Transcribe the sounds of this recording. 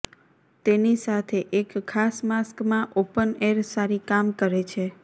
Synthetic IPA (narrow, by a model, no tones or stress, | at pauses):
t̪enisat̪ʰeʔekʰːasmaskmãʔopəneɾsaɾikamkəɾet͡ʃʰe